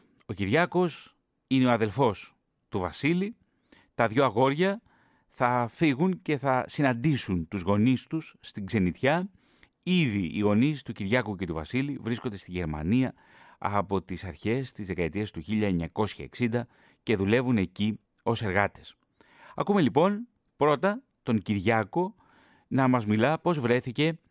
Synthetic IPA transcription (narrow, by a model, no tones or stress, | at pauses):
o̞ciɾʝɐko̞s | ine̞o̞ɐðe̞lfo̞s | t̪uvɐsili | t̪ɐðʝo̞ɐɣo̞ɾʝɐ | θɐfiɣunce̞θɐsinɐnd̪isunt̪uzɣo̞nist̪usːt̪iɡze̞nit̪çɐ | iðiʔːɣo̞nist̪uciɾʝɐkuce̞t̪uvɐ̰silivɾiskond̪e̞st̪iʝe̞ɾmɐ̰niɐ | ɐ̰po̞t̪isɐɾçe̞st̪izðe̞kɐe̞t̪iest̪uçiʎɐeɲɐko̞sçɐ̰e̞̰ksind̪ɐ | ce̞ðule̞vune̞ci | o̞se̞ɾɣɐt̪e̞̥s | ɐ̰kume̞lipo̞n | pɾo̞t̪ɐ | t̪o̞ɲciɾʝɐko̞ | nɐmɐzmilɐpo̞zvɾe̞θice̞